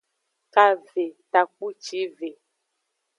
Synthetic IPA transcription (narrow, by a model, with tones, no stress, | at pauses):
ka˦ve˨ta˨k͡pu˦t͡ʃi˨˦ve˨